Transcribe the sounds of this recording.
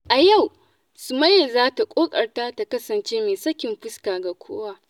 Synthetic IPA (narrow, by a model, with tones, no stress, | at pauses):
ʔa˨ja˦˨w | sʊ˨mɐ˦jːɐ˨zaː˦ta˨kʷʼoː˦kʼɐ˨rta˦ta˨kɐ˦sɐ˨nt͡ʃeː˦meː˨sɐ˦kʲɪ˨mɸɪ˦skaː˨ɡa˨kʷʰo̰ː˦waː˦